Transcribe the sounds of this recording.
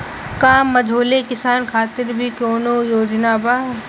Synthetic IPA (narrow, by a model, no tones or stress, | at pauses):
kaːmːɐd͡ʒʱoːlekɪsaːnkʰaːt̪ɪɾbʱikoːnojoːd͡ʒnaːba